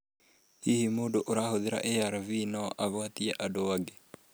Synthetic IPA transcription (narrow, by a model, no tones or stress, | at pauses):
hihimodoʔoɾahoðeɾa̰ʔejaɾavinaʔaβwat̪iaʔadoaɡe